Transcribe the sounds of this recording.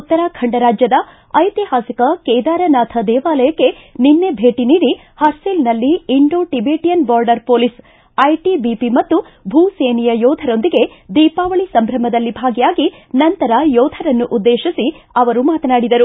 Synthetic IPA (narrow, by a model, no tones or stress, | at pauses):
ut̪ːɐɾakʰɐɳɖɐɾaːd͡ʒjɐd̪ɐ | ɐjt̪iɦaːsikɐkɛjd̪aːɾɐnaːt̪ʰɐd̪ɛːʋaːlɐjɐkːe̞ninːe̞bʱe̞ːʈiniːɾi | hɐɾsilnɐlːiːɳɖoːʈibeːʈijɐnbaːɾɖɐɾpoːlis | ɐjʈibipimɐt̪ːu | bʱuːseːnijɐjɔːd̪ʱɐɾo̞nd̪iɡe̞ | d̪iːpaːʋɐɭisɐmbʱɾɐmɐd̪ɐlːibʱaːɡijaːɡi | nɐnt̪ɐɾɐjɔːd̪ʱɐɾɐnːuʔud̪ːeːʃisiɐʋɐɾumaːt̪ɐnaːɽid̪ɐɾu